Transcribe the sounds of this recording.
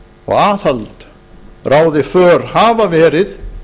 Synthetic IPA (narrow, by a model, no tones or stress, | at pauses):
ɔ̰ɣaːθalt̪ | rʔaːwðɪfœːɾ̥haːvavɛːɾɪθ